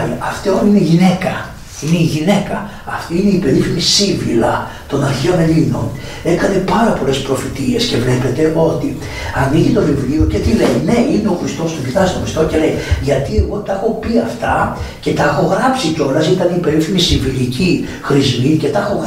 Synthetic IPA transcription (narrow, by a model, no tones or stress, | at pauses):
iɐft̪eonineʝine̞kɐ | ine̞iʝine̞kɐː | ft̪iine̞ipe̞ɾifimisiɱvilɐ | t̪o̞nɐɾçeo̞ne̞lino̞̰n | e̞kɐne̞pɐɾɐpo̞le̞spɾo̞fit̪ie̞sce̞vle̞pe̞t̪e̞ʔo̞t̪i | ɐniʝit̪o̞vivlio̞ce̞t̪ile̞ine̞ineo̞xɾist̪o̞st̪ovit̪ɐsit̪o̞xɾist̪o̞ce̞leiʝɐt̪ie̞ɣo̞t̪ɐxo̞piɐft̪ɐ | ce̞t̪ɐxo̞ɣɾɐpsico̞lɐsit̪ɐnipe̞ɾifinisiɱvilici | xɾizmice̞t̪ɐxo̞ɣ